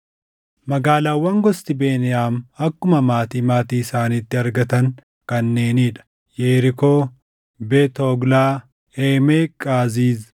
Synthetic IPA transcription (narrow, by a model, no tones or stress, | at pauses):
mɐɡaːlaːwːɐŋɡɔst̪ɪbe̞ːnɪjaːmɐkːʊmɐmaːt̪iːmaːt̪iːɪsaːniːt̪ːɪɐɾɡɐt̪ɐŋ | kɐnːe̞ːniːᶑɐ̥ | jeːɾɪkoː | beːt̪oɡlaː | eːmeːkʼaːziːz